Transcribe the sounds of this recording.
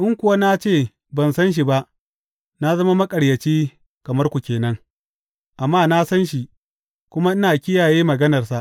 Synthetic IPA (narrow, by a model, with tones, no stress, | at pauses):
ʔɪ˦ŋkʷʊ˨wa˦na˦t͡ʃeː˦˨ | bɐ˨nsɐ˦nʃ̬i˨ba˦ʔ | na˦zɐ˦ma˦mɐ˦kʼɐ˨ɽjɐ˨t͡ʃiː˦ | kɐ˨mɐ˦rkʷu˨kʲeː˨nɐ˦ŋ | ʔa˨mːaː˦˨na˦sɐ˦nʃi˨ | kʷʊ˦ma˦ʔɪ˦naː˨kʲɪ˦jaː˨jeː˦mɐ˨ɡɐ˦nɐ˨rsa˨ʔ